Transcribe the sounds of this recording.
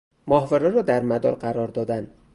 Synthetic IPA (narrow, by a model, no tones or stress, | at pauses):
mɒhveɾɒɾɒːd̪æɾmæd̪ɒ̰ːɾɢæɾɒːɾd̪ɒːd̪æn